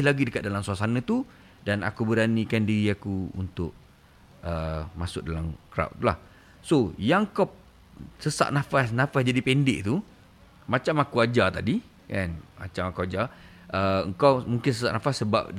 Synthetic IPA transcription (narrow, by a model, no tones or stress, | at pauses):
laɡidəkat̪̚dalamsuasanãt̪u | dana̰kubəɾanikandiɾiakuṵnt̪ʊʔ̚ | əmasʊk̚dalamkɾa̰w̰ʔt̪ula̰h | sojaŋkɔp̚ | səsa̰ʔ̚nafasnãfasd͡ʒadipɛndɪʔt̪u | mat͡ʃamakuad͡ʒat̪adi | kanma̰t͡ʃamakuad͡ʒa | ʔəəŋkawmuŋkɪnsəsa̰ʔnafasːəba̰p̚